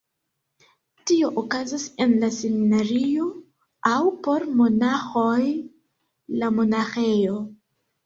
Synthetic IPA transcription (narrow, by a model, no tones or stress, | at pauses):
tio̞ʔokazase̞nlaseminaɾio̞ | awpo̞ɾmo̞naxo̞j | lamo̞naxe̞jo̞